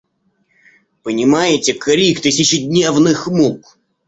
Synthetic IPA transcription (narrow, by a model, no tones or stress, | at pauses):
pənʲɪmajɪtʲɪkɐɾʲikt̪ɨsʲɪɕɪdʲnʲevnɨxmuk